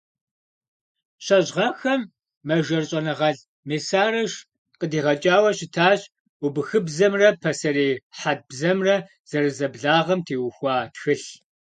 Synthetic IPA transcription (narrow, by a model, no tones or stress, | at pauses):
ɕɐʑʁɐxɐmː | ɐʒɐrɕʼɐnɐʁɐɮ | meːsaːrɐʃ | qədiːʁɐt͡ʃʼaːwɐɕɪtʰaːɕ | ʊbɨxɨbzɐmrɐpʰɐsɐɾeːħat̚bzɐmrɐ | z̥ɐrɨzɐbɮaːʁɐmtʰeːwʊxʷɑːtxɨɬ